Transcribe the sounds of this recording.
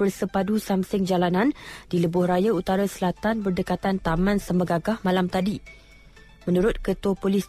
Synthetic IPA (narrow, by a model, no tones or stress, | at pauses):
ərsəpadusamsɪŋd͡ʒalanãnd̥iləbʊhrajaut̪aɾasəlat̪anbərdəkat̪ant̪amãnsəməɡaɡahmalamt̪adi | mə̃nuɾʊt̪̚kət̪apolɪs